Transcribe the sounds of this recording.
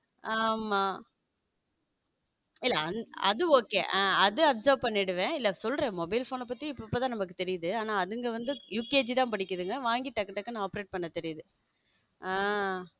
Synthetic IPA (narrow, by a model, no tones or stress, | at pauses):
aːmaː | ɪlːɐɐnɐ̰ðɯoːkːḛːʔɐðɯɐpsɐɾpɐɳːɪɽɯʋẽːɪlːɐsɔlɾẽːmɔbɐɪlfoːnɛp̬ːɐt̪ːiɪpːɪpːoːt̪ãːnɐmɐkːɯt̪ɛɾɪjɐðɯaːnaːɐðɯŋɡɐʋɐnd̪ɯjuːkeːd͡ʒit̪ãːpɐɽɪkːɐðɯŋɡɐʋaːŋɡiʈːɐkːɐʈːɐkːɯnãaːpɾeːʈ̚pɐɳːɐt̪ɛɾɪjðɯ | aː